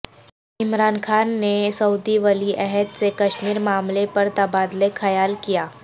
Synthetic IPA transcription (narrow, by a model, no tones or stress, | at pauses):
ɪmɾaːnkʰaːnːesɐud̪iʋɐliʔɛɦɛd̪sekɐʃmiːɾmaːmlepɐɾt̪ɐbaːd̪lexɐjaːlkijaː